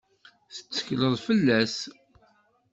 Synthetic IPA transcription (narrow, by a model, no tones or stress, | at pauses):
θə̥t͡sːə̥çləðˤfəlːæs